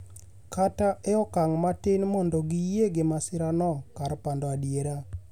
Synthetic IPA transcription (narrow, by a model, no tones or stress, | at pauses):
kataʔɛɔkaŋmatɪnmɔndɔɡijeɡemasɪɾanɔkaɾpandɔadjeɾa